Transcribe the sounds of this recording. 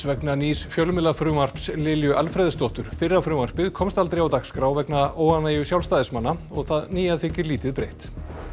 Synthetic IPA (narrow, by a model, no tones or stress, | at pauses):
vɛknaniːsfjœlmɪlafɾʏmar̥pslɪljʏʔalfɾɛðɪst̪ɔht̪ʏɾ̥fɪrːafɾʏmar̥pɪðkʰɔmst̪alt̪ɾejawt̪akskɾaːwvɛknaoːwanaːjʏsjawlst̪aːðɪsmanːaɔɣθaðniːjaθɪcɪɾliːt̪ɪðpɾejht̪